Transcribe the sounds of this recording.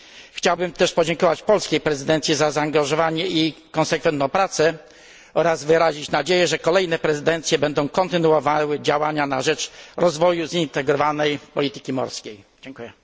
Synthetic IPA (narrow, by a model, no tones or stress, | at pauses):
xt͡ɕawbɘmt̪ɛʂpɔd͡ʑɛŋkɔvat͡ɕpɔlskʲejpɾɛzɘd̪ɛnt̪sʲjizazaːŋɡaʐɔvaɲɛi | kɔ̃nsɛkfɛnt̪ñw̃pɾat̪sɛ | ɔɾazvɘɾaʑit͡ɕnad͡ʑejɛʐɛkɔlɛjnɛpɾɛzɘd̪ɛnt̪sʲjɛbɛnd̪ɔ̃w̃kɔnt̪ɘnuɔvawɘd͡ʑawaɲanaʐɛt͡ʂɾɔzvɔjuzint̪ɛɡɾɔvanɛjpɔlʲit̪ɘ̥kʲimɔ̰ɾskʲej | d͡ʑɛŋkujɛ